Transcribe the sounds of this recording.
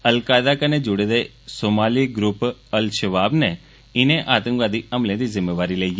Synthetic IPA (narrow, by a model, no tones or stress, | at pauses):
əlkaːjd̪akaned͡ʒuɽed̪e | soːmaːliɡɾupəlʃəʋaːbne | ɪneʔaːt̪ə̃ŋkʋaːd̪iəmlẽd̪izɪmːeʋaːɾileij